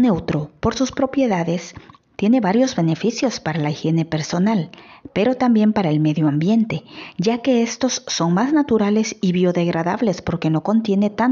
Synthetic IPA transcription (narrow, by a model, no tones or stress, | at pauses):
newt̪ɾo̞po̞ɾsuspɾo̞pje̞ðaðe̞s | t̪je̞ne̞βaɾjo̞zβe̞ne̞fisjo̞spaɾalaixje̞ne̞pe̞ɾso̞nalpe̞ɾo̞t̪ambje̞mpaɾaelme̞ðjoambje̞nt̪e̞ɟ͡ʝake̞est̪o̞sːo̞ŋmaznat̪uɾale̞siβjo̞ðe̞ɣɾaðaβle̞spo̞ɾke̞no̞ko̞nt̪je̞ne̞t̪an